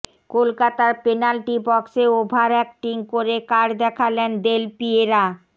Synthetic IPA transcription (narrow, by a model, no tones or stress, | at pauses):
kolkat̪aɾpenalʈibɔkseobʱaɾɛk̚ʈiŋkoɾekaɾd̪ɛkʰalend̪elpieɾa